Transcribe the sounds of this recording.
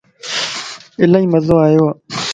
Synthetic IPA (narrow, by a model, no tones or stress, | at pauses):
ɪlaĩːməzoːaːjoːaː